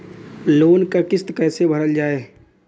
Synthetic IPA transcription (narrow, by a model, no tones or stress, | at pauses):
loːnkakɪst̪kɛːsebʱəɾəld͡ʒaːeː